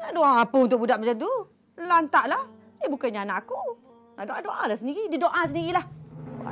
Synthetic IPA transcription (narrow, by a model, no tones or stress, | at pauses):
ŋaʔdoaapəunt̪ʊk̚budaʔməd͡ʒad̪u | lant̪aʔlah | jəbukaɲaanaʔaku | ŋaʔdoʔadoʔalahsəndiɾididoʔas̬əndiɣilaha̰